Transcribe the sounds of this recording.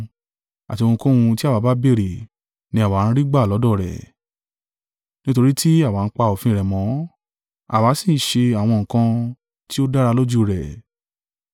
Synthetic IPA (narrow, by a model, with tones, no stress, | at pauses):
a˨ti˧o˧ũ˧kõ˦˧ũ˧ti˦a˦˨wa˨˧ba˦be˦˨ɾe˨ | nĩ˧˦a˨wa˨˦ɾ̃ĩ˧ɾi˦ɡ͡ba˦˨lɔ˨˦dɔ˦˨ɾɛ̰˨ | nĩ˦to˧ɾi˦tʰi˦a˦˨wa˨˦n̩˦k͡pa˧o˨fĩ˧˦˧ɾɛ˨mɔ̃˨˦ | a̰˨wa˨˦sĩ˦˨˦ʃe˧a˨w̃ɔ̃˧ŋ̩˨kã˧ | ti˦o˦da˦ɾa˧lo˦d͡ʒu˦ɾɛ˨